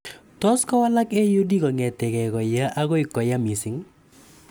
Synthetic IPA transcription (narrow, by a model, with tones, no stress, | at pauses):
tɔ˦skɔ˦wa˦la˦ke˦jo˦di˦ɣɔ˨ŋɛ˨tɛ˨kɛ˨ɣɔ˨ja˦ʔa˦ɣo˦ɪ˨kːɔ˨ja˦mi˨sɪ˨ŋ